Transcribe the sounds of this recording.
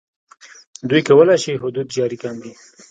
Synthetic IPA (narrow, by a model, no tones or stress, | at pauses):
d̪ujkawəlajʃiɦʊd̪ud̪d͡ʒɑɾikamd̪i